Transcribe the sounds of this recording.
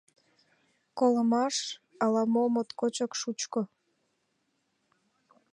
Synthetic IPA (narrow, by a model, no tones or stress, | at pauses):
koləmɑʃ | ɑlɑmomot̪kot͡ɕəkʃut͡ɕko